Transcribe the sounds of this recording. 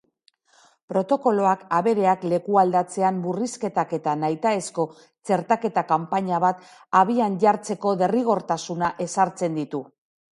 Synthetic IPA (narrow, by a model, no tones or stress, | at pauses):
pɾo̞t̪o̞ko̞lo̞akaβe̞ɾe̞akle̞kuald̪at͡se̞amburiske̞t̪ake̞t̪anajt̪aesko̞ | t͡se̞ɾt̪ake̞t̪akampaɲaβat̪ | aβ̞ianʝaɾt͡se̞ko̞ðe̞riɣ̞o̞ɾt̪asunaʔe̞saɾt͡se̞nd̪it̪u